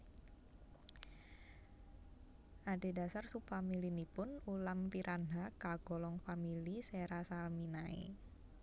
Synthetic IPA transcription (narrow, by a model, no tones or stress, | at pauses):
ʔaɖe̤da̤sarsupamilinipʊnulampiɾʔanɦakaɡ̥ɔ̤lɔŋfamiliseɾasalminaḛ